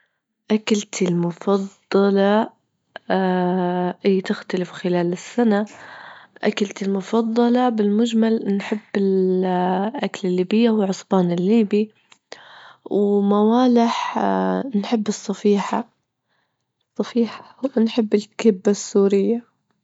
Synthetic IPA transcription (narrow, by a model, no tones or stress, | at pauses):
ʔakalt̪ɪlmʊfɑd̪ˤːɑlɑ | ʔɪːt̪ɪxt̪alɪfxɪlaːlɪsːana | ʔakalt̪ɪlmʊfɑd̪ˤːɑlɑbɪlmʊd͡ʒmalnħɪbːɪl | ʔaklɪlːiːbɪjːahʊwʕʊsˤbɑːnɪlːiːbi | wmawaːlɪħ | nħɪbːɨsˤːɑfiːħa | sˤːɑfiːħḁwnħɪbːɪlkɪbːasːuːɾɪjːa